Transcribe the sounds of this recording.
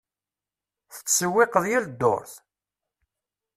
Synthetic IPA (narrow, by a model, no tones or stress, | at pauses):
θə̥t͡sːəwːɪqəðˤjæld̪ːo̰ɾθ